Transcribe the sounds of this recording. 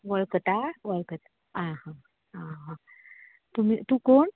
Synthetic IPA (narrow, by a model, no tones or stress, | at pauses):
ʋəɭkət̪aʋəɭkət̪a | ãɦã | ãɦã | t̪umit̪ukoɳ